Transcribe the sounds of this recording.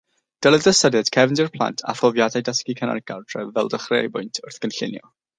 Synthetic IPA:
d̥əlˠɛðdəsədɛd̥kʰɛvndirpʰlˠa̰ntʰa̰fɔvjadajdəskikʰəna̰rɡardrɛvɛlˠdəχrḛːjbʊjntʰʊrθɡ̥ənɬɪnjɔ̰

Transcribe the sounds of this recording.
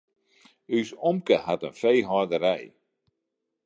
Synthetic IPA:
ysɔmkəhatənfejɦɔrdəɾɛj

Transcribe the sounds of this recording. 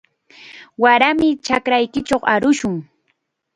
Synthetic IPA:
waɾamɪt͡ʃakɾajkɪt͡ʃoχaɾʊʃʊŋ

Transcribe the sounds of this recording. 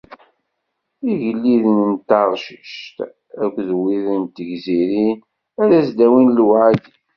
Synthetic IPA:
iʝəlːiðnənt̪ːɑɾˤʃəʃt̪ | ækʷːðwiðənt̪ːʝziɾin | æɾæsd̪æwinlwʕad̪

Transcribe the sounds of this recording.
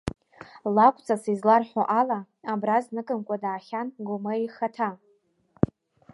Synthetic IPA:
lakʷʰʼt͡sʰʼasizlarħʷaʔala | abraznɨkʼɨmkʷʼadaːχʲanɡʷʊmaiχatʰa

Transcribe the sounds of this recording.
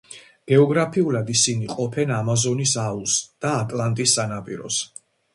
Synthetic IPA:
ɡ̥ɛɔɡɾapʰiulad̪isiniqʼɔpʰɛnamazɔnisaulsd̪̥aːt̪ʼlˠant̪ʼisːanapʼḭɾɔ̰s

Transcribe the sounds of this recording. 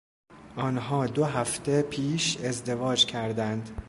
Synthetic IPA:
ʔɒːnɦɒːd̪oɦæft̪ʰe̞pʰiːʃe̞zd̪e̞vɒːd͡ʒcʰæɾd̪ænd̪

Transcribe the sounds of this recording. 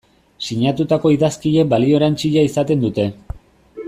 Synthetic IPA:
siɲat̪ut̪ako̞iðaskiʎe̞balio̞eɾant͡siʎaisat̪e̞nd̪ut̪e̞

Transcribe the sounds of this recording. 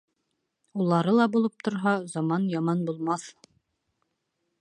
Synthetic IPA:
ulˠɑɾɤlˠɑbulˠɤp̚t̪ʰŏɾɦɑzɑmɑnjɑmɑnbulˠmɑθ

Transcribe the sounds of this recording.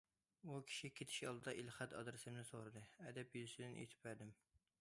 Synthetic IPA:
ukʲʰi̥ʃikʲʰet̪ʰɪ̥ʃɑlˠd̪ɨd̪ɑʔilχɛt̪ɑ̰d̪ɨɾsɨmnɪsoɾɨd̪ɨɛd̪ɛpjyzysɪd̪ɪnʔḛt̪ʰɪ̥pæɾd̪ɪm

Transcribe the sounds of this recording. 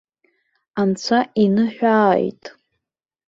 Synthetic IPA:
ant͡sʷʰainɨħᶣʷaːjtʼ

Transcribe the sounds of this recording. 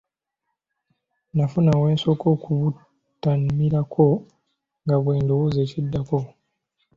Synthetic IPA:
nafunawe̞ːnsokokʰuβu | tamiɾakʰo | ŋɡaβwe̞ːndowozecidːako

